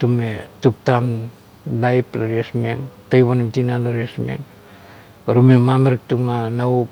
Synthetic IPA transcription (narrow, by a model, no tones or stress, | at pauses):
tumetup̚tan | lajplaɾiesmeŋtajβanimtinalaɾesmḛŋ | ɾumemameɾik̚tuŋanau